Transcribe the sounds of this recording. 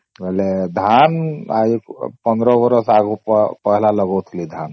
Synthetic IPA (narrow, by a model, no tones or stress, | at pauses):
ʋɛɦled̪ʱana̰ikpə̃nd̪ɾɔbəɾəsaɡuppəɦlaləɡɔt̪ʰlid̪ʱan